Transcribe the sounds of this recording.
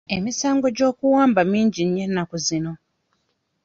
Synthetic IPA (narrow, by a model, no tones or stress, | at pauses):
e̞misaːŋɡo̞ɟo̞ːkuwaːmbamiːɲɟiɲjenːakuzino̞